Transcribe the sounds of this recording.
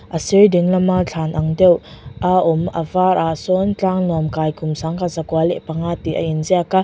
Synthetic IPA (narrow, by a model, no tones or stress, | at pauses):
ʔɐsiɾdiŋlɐmat͡ɬʰanʔɐŋdewʔaʔumɐ̰vaɾʔasɔnt͡ɬaŋnɔmkajkʰʊmsaŋkazakwaleʔpɐŋat̪iʔɐ̰ʔinziaka